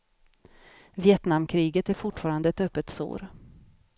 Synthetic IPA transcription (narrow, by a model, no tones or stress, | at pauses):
vɪɛt̪namːkʰɾiːɡət̪æɾfʊʈːfɑːɾand̪əɛt̪œpːət̪so̰ːɾ